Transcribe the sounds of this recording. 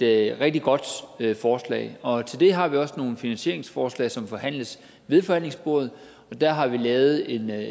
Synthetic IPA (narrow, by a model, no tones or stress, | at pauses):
ʁeɡ̥̚d̥iɡ̥ɒ̽d̥øfɒːslɛ̰ɪɒ̽t͡sʰe̝ld̥e̝ɦɑ̈ʋiɒ̽sno̝ːn̩finænɕe̝ɐe̝ŋsfɒːslɛ̰ɪsɒ̽mfɒ̽hæn̰ləs | ʋe̝ðˠfɒ̽hæn̰le̝ŋsb̥o̝ːð̩ˠ | ɒ̽d̥æɐɦɑ̈ʋilɛːʊð̞̩ˠe̝n